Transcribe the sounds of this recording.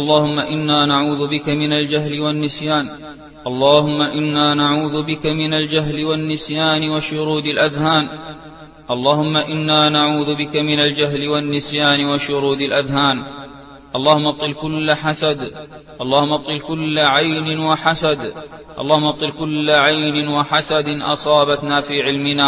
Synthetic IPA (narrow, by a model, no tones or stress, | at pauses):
ʔɑlˤːɑːhʊmːaʔɪnːaːnaʕuːðʊbɪkamɪnald͡ʒaɦlɪwanːɪsjaːn | ʔɑlˤːɑːhʊmːaʔɪnːaːnaʕuːðʊbɪkamɪnald͡ʒaɦlɪwanːɪsjaːnɪwaʃʊɾuːd̪alʔaðhaːn | ʔɑlˤːɑːhʊmːaʔɪnːaːnaʕuːðbɪkamɪnald͡ʒaɦlɪwanːɪsjaːnɪwaʃʊɾuːd̪alʔaðhaːn | ʔɑlˤːɑːhʊmːʔɑt̪ˤːɨlkʊlːaħasad̪ | ʔɑlˤːɑːhʊmːʔɑt̪ˤːɨlkʊlːaʕajnɪnwaħasad̪ | ʔɑ̰lˤːɑːhʊmːʔɑt̪ˤɨlkʊlːaʕajnɪnwaħasad̪ɪnʔɑ̰sˤɑːbat̪naːfiːʕɪlmɪnaː